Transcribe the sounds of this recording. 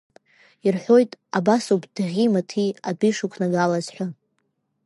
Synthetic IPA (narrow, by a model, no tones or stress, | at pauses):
irħʷᶣo̞jtʼabasupʰʼd̥ʁʲimatʰiabiʂukʷʰnaɡalazħʷa